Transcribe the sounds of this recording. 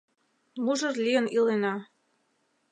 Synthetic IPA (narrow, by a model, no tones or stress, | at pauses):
muʒɤ̆rlʲiə̆nilenɑ